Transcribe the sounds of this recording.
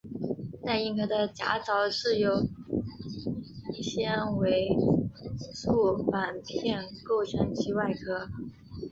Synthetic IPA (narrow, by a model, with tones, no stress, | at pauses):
na˥˧ɪi˥˩ŋkʰɤ˧˥d̪ə˧t͡ɕja̰˧˥t͡sɑ˧˥ʊʂɻ̩˥˩jo˨˩ʊ | i˥˩ɕjɛ˥nwe˧˥ɪ | su˥˩fa˨˩npʰjɛ˥˩˧nko˥˩ʊt͡ɕʰə˧˥nt͡ɕʰi˧˥wa˥˩ɪkʰɤ˥